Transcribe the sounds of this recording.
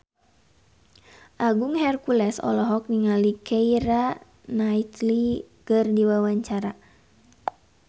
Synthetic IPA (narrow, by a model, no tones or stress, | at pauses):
ʔaɡuŋhɛrkulɛsɔ̰lɔɦɔk̚niŋalikʰɛiɾa | nait̪likɨrdiwawaɲt͡ʃaɾa